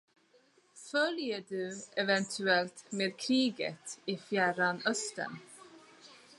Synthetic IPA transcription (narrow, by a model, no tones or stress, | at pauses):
fœljəɖʉːʔɛvɛnt̪ʰʉɛlt̪meːd̪kʰɾiːɡə̰t̪iːfjæːɾanœst̪ə̰n